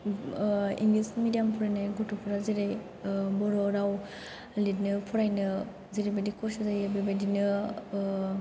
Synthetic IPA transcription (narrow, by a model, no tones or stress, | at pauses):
ḭŋɡlismidijampʰuɾajnajɡotopʰuɾaziɾaj | bɔɾɔɾaw | lit̚nɯpʰuɾajnɯ | ziɾibɐdikʰɔsazajebebadinɯ